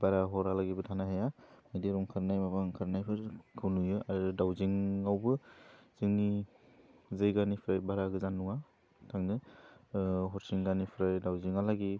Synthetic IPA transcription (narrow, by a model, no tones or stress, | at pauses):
baɾaɦɔɾalaɡibɯtʰanaɦajamediɾɔŋkʰɯɾnajmabaŋkʰɯɾnajpʰɯɾkʰɯwnujɯaɾɯdawziŋːawbɯz̥ɯŋni | zɯjɡanipʰɾajbaɾaɡɯzanːuŋa | tʰaŋnɯ | ɦɔɾsiŋɡanipʰɾajdawziŋalaɡi